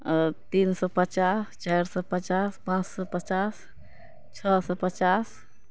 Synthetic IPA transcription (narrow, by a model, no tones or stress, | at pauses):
t̪insɔpət͡ʃast͡ʃajɾsɔpət͡ʃaspãt͡ʃsɔpət͡ʃas | t͡ʃʰɔsɔpət͡ʃas